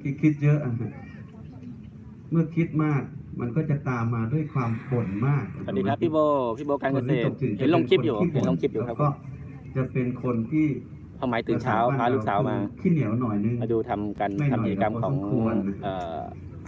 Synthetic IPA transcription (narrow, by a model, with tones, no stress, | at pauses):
kʰi˧˩kʰi˦˥t̪̚jɤ˦˥ʔa˧˩ɦa˧ | mɯ˥˩ɐkʰi˦˥t̪̚maː˥˩k̚mʔa˧nkɔː˥˩t͡ɕa˨˩t̪aː˧mːaː˧du˥˩əjkʰwaː˧mpʰo˨˩˦nmaː˥˩k̚a˨˩˨diː˧kʰa˦˥pʰːiː˥˩boː˧pʰiː˦˥˩boː˧ka˧nkka˧seː˨˩˧i˧˨˩he˩˦lo˧ŋkʰi˦˥˧juː˨˩˧e˩˦nlo˧ŋkʰi˦˥p̚juː˧˨˩a˦˥pkɔː˥˩ | t͡ɕa˨˩pe˧nkʰo˧nt̪ʰiː˥˩ | pʰa˧˩wmaː˩˦jt̪ɯː˨˩˨t͡ɕʰaː˧˦˥wpʰaː˧luː˦˥˧ksaː˩˦wmaː˧kʰiː˥˩ni˨˩˦wnɔː˨˩jnɯ˧ŋma˧duː˧t̪ʰa˧mka˧na˥˩a˧m˧i˩t͡ɕa˧ka˧mkʰɔː˩˧˦ŋu˧ʔɤː˨˩